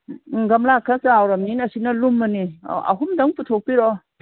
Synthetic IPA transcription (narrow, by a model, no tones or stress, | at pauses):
ɡɐmlakʰɐsaawɾɐmninɐsinɐlumːɐnḭɐ̰ɦumdɐŋputʰok̚piɾɔ